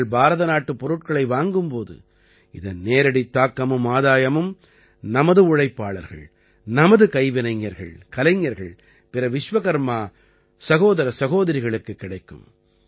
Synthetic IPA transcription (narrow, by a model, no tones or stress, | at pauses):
ɭbʱaːɾɐðɐnaːʈːɯpːɔɾɯʈ̚kɐɭɐɪʋaːŋɡɯmpoːðɯ̰ | ɪðɐnneːɾɐɽit̪ːaːkːɐmɯmaːðaːjɐmɯm | nɐmɐðɯʊɻɐɪpːaːɭɐɾɣɐ̰ɭ | nɐmɐðɯkɐɪʋɪnɐɪŋːɐɾɣɐ̰ɭkɐlɐɪŋːɐɾɣɐ̰ɭ | pɪɾɐʋɪʂʋɐɣɐɾmaː | sɐɣoːðɐɾɐsɐɣoːðɐɾɪɣɐɭɯkːɯkːɪɽɐɪkːɯ̰m